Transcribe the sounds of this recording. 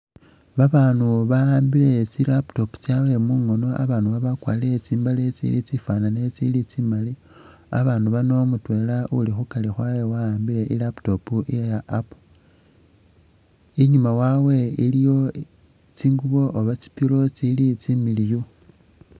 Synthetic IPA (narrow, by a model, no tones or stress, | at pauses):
βaβaːnuβaaːmbile̞t͡silapto̞pu̥t͡sjawe̞muŋo̞no̞a̰βaːnuβaβakwa̰ːlet͡siːmbalet͡sḭlit͡sifwanane̞t͡silit͡simali | a̰βaːnduβano̞mutwe̞ːlaulixukalixwawewaaːmbile̞ʔilapto̞puijajaʔapu̥ | iɲumawawe̞ilijo̞ | t͡siŋɡuβo̞ʔːβat͡si̥piɾo̞t͡silit͡similijo